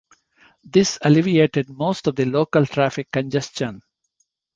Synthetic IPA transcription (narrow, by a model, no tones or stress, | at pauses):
d̪ɪsəlɪʋieːʈeɖ̚moːsʈɔʋd̪iloːkəlʈʰɾæːfɪkːə̃nd͡ʒɛst͡ʃə̃n